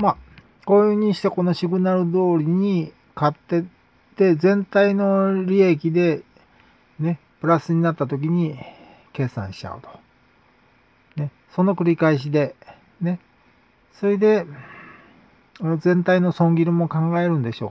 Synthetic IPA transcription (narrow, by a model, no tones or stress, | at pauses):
ma | ko̞ɯɲ̟iɕi̥t̪eko̞no̞ɕiɡɯ̟naɾɯ̟d̪o̞ːɾʲiɲ̟i | kat̪ːe̞ | t̪e̞zẽ̞nt̪aino̞ɾʲie̞k̬ʲid̪e̞ | ne̞ | pɯɾasɨɲ̟inat̪ːat̪o̞k̬ʲiɲ̟i | ke̞ːsã̰ɰ̃ɕi̥t͡ɕa̰ɯ̟t̪o̥ | ne̞ | so̞no̞kɯ̟ɾʲikaiɕ̬id̪e̞ | ne̞ | so̞ɾed̪e̞ | zẽ̞nt̪aino̞sõ̞ŋɡʲiɾɯ̟mo̞kãŋɡae̞ɾɯ̟̃nd̪e̞ɕo̞̰ː